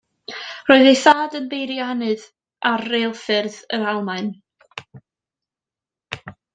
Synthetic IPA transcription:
roːɨðejθaːdənbejɾjaanɨð | ʔarːeːlˠfɪrðəɾalˠmaɨn

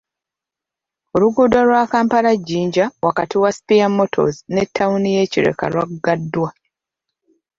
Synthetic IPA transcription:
oluɡuːdoɾwakaːmpaɾaɟːiːɲɟawakatiwasi̥pijamo̞tʰo̞̰zine̞tʰːawunije̞ːciɾḛka̰lwakɡadːwa

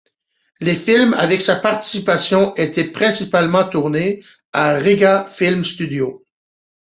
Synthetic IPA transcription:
lefilma̰vɛksapaʁt̪i̥sipasjɔ̃ʔet̪ʰɛpχɛ̃sipalmɑ̃t̪uʁne | aʁiɡafilmst̪yd̪jo

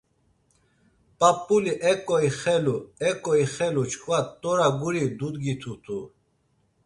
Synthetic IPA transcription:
pʼapʼːuliʔɛkʼɔiχɛluɛkʼɔiχɛlut͡ʃʰkʰʼvat̪ʼːɔɾaɡuɾid̪ud̪ɡit̪ʰut̪ʰu

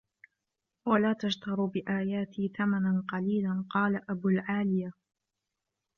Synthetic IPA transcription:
walaːt̪aʃt̪ɑɾˤbɪʔaːjaːt̪ʰɪθamananqɑliːlanqɑːlaʔabʊlʕaːlɪja

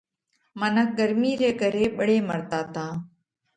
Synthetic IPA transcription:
mənək̚ɡəɾmiːɾeːkəɾeːɓəɽeːməɾt̪aːt̪ãː

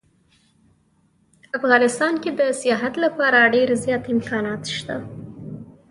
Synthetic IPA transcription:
afɣɑnɪst̪ɑnked̪əsjɑɦat̪lapɑɾaɖeɾzjɑt̪ɪmkɑnɑt̪ʃt̪a

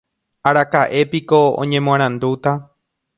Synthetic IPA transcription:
aɾakaʔe̞piko̞õ̰ɲẽ̞mw̃ãɾ̃ãnd̪ut̪a

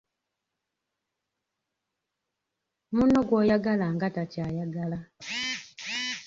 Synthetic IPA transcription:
munːoɡwoːjaɡalaŋɡatacaːjaɡala

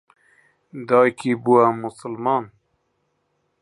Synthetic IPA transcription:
d̪ɑːjkibuwamusəlmɑːn

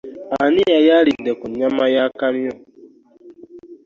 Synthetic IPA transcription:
anɪjajaɾidekʊɲamajakaɾiɔ

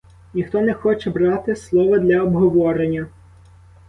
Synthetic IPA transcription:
nʲixt̪ɔnɛxɔt͡ʃɛbɾɑt̪ɪslˠɔʋɐd̪lʲɐɔbɦɔʋɔɾenʲːɐ

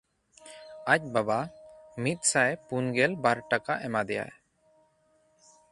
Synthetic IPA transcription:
ac̚babamit̪̚ˀsajpunɡɛlbaɾʈakaʔɛmad̪ɛja̰

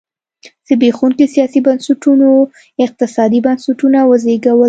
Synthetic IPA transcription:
d̪̥əbexuŋkesijɑsibansʊʈuno | ɪq̚t̪ɪsɑd̪ibansuʈunawəzeɡawə

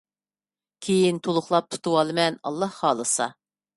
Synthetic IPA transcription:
kʲʰejint̪ʰolˠʊχlˠɑp̚t̪ʰu̥t̪ʰuwɑlˠɨmɛnɑ̰lˠːɑhχɑːlˠɨsɑ̰

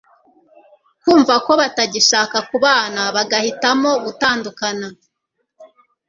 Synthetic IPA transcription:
kuːɱvako̞βataɟiʃaːkakuβaːnaβaɡahitamo̞βutaːndukana

